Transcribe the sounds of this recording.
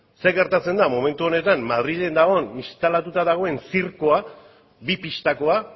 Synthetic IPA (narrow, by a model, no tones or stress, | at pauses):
se̞ɡe̞ɾt̪at͡se̞nd̪amo̞me̞nt̪uo̞ne̞t̪anmaðɾiʎe̞nd̪aɣo̞nist̪alat̪ut̪aðaɣ̞o̞e̞nsiɾko̞a | bipiʃt̪ako̞a